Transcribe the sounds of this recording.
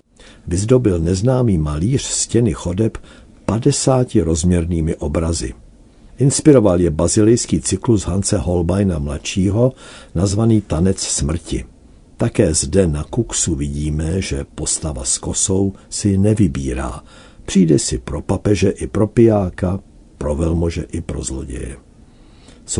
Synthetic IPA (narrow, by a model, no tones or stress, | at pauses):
vɪzdo̞bɪlnɛznaːmiːmaliːr̝̥scɛnɪxo̞dɛp | padɛsaːcɪɾo̞zmɲɛɾniːmɪʔo̞bɾazɪ̰ | ʔɪnspɪɾo̞valjɛbazɪlɪjskiːt͡sɪkluzɦant͡sɛɦo̞lbajnamlatʃiːɦo̞nazvaniːt̪anɛt͡ssmr̩cɪ̰ | t̪akɛːzdɛnakuksuvɪɟiːmɛʒɛpo̞st̪ava̰sko̞so̞wsɪnɛvɪbiːɾa̰ː | pr̝̥iːdɛsɪpɾo̞papɛʒɛʔɪpɾo̞pɪjaːka | pɾo̞vɛlmo̞ʒɛʔɪpɾo̞̰zlo̞̰ɟɛ̰jɛ̰ | s